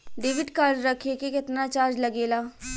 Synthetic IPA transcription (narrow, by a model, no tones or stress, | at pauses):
ɖɪʋɪʈkaːɾɖɾəkʰekekɪt̪nat͡ʃaːɾd͡ʒlɐɡeːlaː